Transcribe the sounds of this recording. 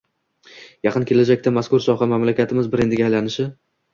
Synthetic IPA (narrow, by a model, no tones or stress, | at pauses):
jɑqʰɨnkʲe̞lad͡ʒakʲt̪ʰamaskʊɾsɒχɑmamlakʲat̪ʰɪmɪzbɪɾed̪ɪɡʲajlanɪʃɪ